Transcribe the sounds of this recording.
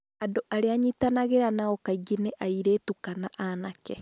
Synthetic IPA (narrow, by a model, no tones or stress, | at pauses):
adoʔaɾeaɲitanaɣeɾanaɔkaiɡineʔaiɾeːtukanaʔanakɛ